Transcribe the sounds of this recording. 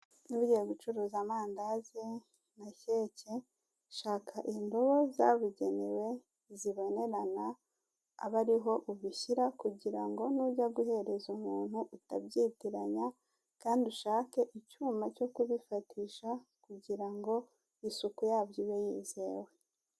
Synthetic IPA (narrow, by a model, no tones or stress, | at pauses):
nuβuɟeɡut͡ʃuɾuːzamaːndazi | naçece | ʃaːkʰaʔindo̞βo̞zaβuɟe̞newe̞ | ziβo̞ne̞ɾana̰ː | βaɾiɦo̞ʔuβiçiɾakuɟiɾaŋɡo̞nuɟaɡuɦe̞ɾe̞zumuːn̥huʔutabɟiːtiɾaɲa | kaːnduʃaːke̞ʔicuːmaco̞kuβifatiːʃakuɟiɾaŋɡo̞ | isukujaːbɟiβejiːze̞ːwe̞